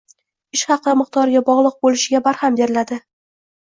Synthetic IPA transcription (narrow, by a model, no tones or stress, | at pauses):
ɪʃχɑqɨmɨq̚t̪ʰɒɾɡʲabɒʁlˠɨq̚bolɪʃɪɡʲabaɾhambe̞ɾɪlad̪ɪ